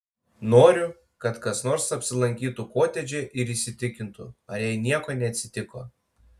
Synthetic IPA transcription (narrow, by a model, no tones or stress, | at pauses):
noːɾʲʊ | kɐt̪kɐsnoːɾsɐpʲsʲɪlˠɐŋʲkʲiːt̪ukoːt̪ʲɛd͡ʒʲɛʔɪɾiːsʲɪt̪ʲɪkʲɪnt̪ʊɐjɛɪnʲiɛkoːnʲɛɐt̪ʲsʲɪt̪ʲɪkoː